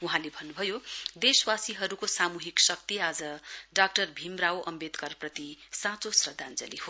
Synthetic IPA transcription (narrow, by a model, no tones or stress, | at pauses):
uɦãlebʱʌnːubʱʌjod̪eswasiɦʌɾukosamuɦiksʌk̚t̪iad͡zʌɖak̚ʈʌrbʱimrawʔʌmbed̪kʌrprʌt̪isãt͡sosrʌd̪ʱand͡zʌ̰lḭho